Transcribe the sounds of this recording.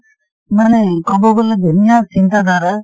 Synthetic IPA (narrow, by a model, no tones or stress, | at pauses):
manɛkɔbɔɡɔled̪ʱunijat͡ʃint̪ad̪ʱaɾa